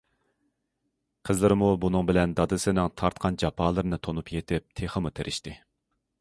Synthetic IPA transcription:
qʰəzlˠɨɾɪmubunɨŋbɪlɛnd̪ɑd̪ɨsɪnɪŋt̪ʰɑɾt̪̚qʰɑnd͡ʒɑpʰɑːlˠɨɾɨnɨt̪ʰonupjet̪ʰɪp̚t̪ʰeχəmut̪ʰeɾʔɪʃt̪ɪ

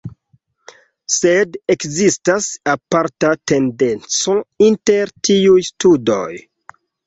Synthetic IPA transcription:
sedekzistasapaɾtate̞nde̞nt͡sointe̞ɾtiujstudo̰j

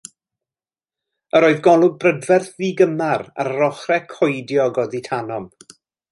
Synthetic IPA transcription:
əɾoɨðɡɔlˠʊɡ̚brədvɛrθðiːɡəmaɾa̰rrɔχrɛkʰɔjdjɔɡɔðitʰanɔm

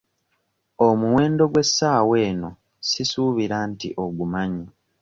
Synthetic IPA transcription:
o̞muwe̞ːndo̞ɡwe̞sːaːwe̞ːno̞ | sisuβiɾantḭʔo̞ɡumaɲi

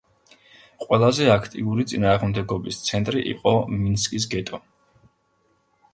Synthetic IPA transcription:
qʼwɛlˠazɛakʰt̪ʼḭuɾit̪sʼinaːʁmd̪ɛɡɔbist̪sʰɛnt̪ʼɾiʔḭqʼɔminskʼis̬ɡɛt̪ʼɔ

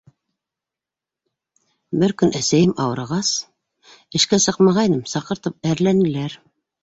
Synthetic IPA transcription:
bɘɾkɵnʔæsæjɘmɑwɤ̆ɾɑʁɑs | ɘ̆ʃkæsɤqmɑʁɑjnɤmsɑqɤ̆ɾt̪ɤp̚æɾlænɘ̆læɾ

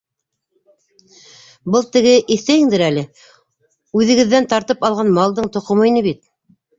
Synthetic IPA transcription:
bɤlˠt̪ɘ̆ɡɘʔiθt̪æjɘ̆ŋd̪ɘɾælɘ | ʉðɘ̆ɡɘ̆ðːænt̪ɑɾt̪ɤpɑlˠʁɑnmɑlˠd̪ɤɴt̪ŏqŏmɤjnɤβit̪̚

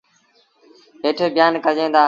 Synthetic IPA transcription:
ɦeːʈʰeːbɪjaːnkəd͡ʒẽːnd̪aː

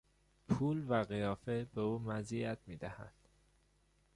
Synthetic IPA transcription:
pʰuːlvæɣijɒːfebeuːmæziæt̪miːd̪æhæ̰nd̪̥

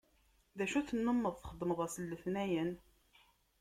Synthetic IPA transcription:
ðæʃuθənːəmːəðˤθχəd̪ːməðˤæsəlːəθnæjən

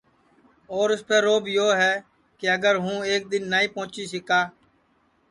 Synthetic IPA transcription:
oːɾʊspeːɾoːbjoːɦɛː | keəɡəɾɦũːeːk̚d̪ɪnːaːĩːpõːt͡ʃiːsɪkaː

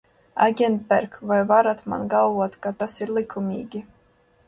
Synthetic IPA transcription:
aɡʲɛnt̪̚bæɾkvɑjvɑɾɑt̪mɑ̰nɡɑwɑt̪kɑt̪ɑsiɾlikʰːumʲḭːɡʲi

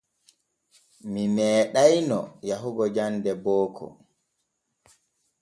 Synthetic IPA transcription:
mimɛːɗajnɔjaɦuɡɔd͡ʒandɛbɔːkʰɔ̰

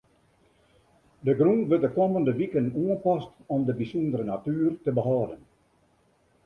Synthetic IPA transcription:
dəɡɾunʋətdəkoməndəʋikənuənpɑstɔmdəbisɔndəɾənatyːrtəbəɦɑːdən

